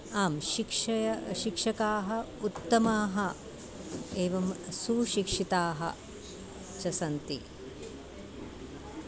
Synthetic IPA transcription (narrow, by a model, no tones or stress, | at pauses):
aːmʃikʂɐjɐʃikʂɐkaːɦɐ | ut̪ːɐmaːɦɐ | eːʋɐmsuʃikʂit̪aːɦɐ̰ | t͡ʃɐsɐnt̪i